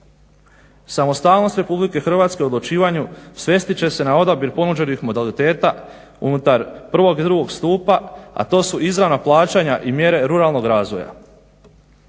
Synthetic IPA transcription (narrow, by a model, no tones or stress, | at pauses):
samo̞st̪aːlˠno̞st̪ɾe̞publike̞xr̩ʋaːt̪skeud̪lˠut͡ʃiːʋaɲusʋje̞st̪it͡ɕe̞se̞nao̞d̪abjiɾpo̞nud͡ʑe̞nixmo̞d̪alit̪e̞ːt̪a | ṵnut̪aɾpr̩ʋo̞ɡid̪ɾuɡo̞ɡst̪uːpaa̰t̪o̞ːsuʔizɾaʋnaplˠaːt͡ɕaɲaʔimje̞ɾe̞ɾuɾalˠno̞ɡɾaːzʋo̞ja̰